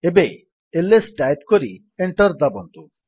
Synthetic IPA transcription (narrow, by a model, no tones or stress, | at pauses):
ebe | elesɖajp̚koɾi | eɳʈɔɾd̪abont̪u